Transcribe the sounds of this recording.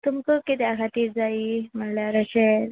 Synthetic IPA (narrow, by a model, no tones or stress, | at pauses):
t̪umkəkit̪ɛakʰat̪iːɾd͡zaiːm̤əɳljaɾəɕeɾ